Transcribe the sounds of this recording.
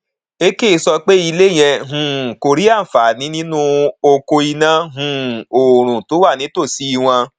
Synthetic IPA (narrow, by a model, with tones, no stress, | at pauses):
e˦ke˦˨˧sɔ˧k͡pe˦i˧le˦˨j̃ɛ˧ɦũ˨ko˧ɾi˦a˦˨fa˨˦˨nĩ˨˦nĩ˦nũ˦o˧ko˧i˧nã˦ɦũ˨o˨ɾ̃ũ˨to˨˦wa˦˨nĩ˨˦to˦˨si˨˦i˧w̃ã˧